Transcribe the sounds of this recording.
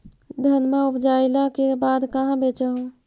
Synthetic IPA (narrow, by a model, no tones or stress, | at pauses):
d̪ʱənmaupd͡ʒajlakebad̪kaɦãbet͡ʃəɦũ